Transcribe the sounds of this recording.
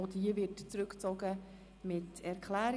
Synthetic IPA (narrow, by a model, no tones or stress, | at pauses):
odiəvɪtt͡sɾɵkt͡sɔɡə | mɪtɛɾkʰlæːɾ